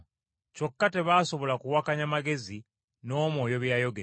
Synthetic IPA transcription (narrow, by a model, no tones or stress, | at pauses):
co̞kːate̞βaːso̞βo̞lakuwakaɲamaɡe̞zi | no̞ːmwo̞ːjo̞βjajo̞ɡea